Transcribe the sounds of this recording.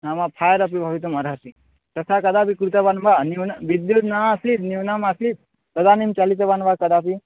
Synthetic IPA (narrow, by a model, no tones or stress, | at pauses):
namapʰaːjəɾɐp̬ibʱaʋit̪̬umɐɾɦɐsi | t̪ɐsakɐd̪aːpikɾut̪ɐbanbaniwnaʋid̪jud̪nasit̪niwnamasit̪̚ | t̪ɐd̪aːnimt͡ʃalit̪ɐbanbakɐd̪aːpi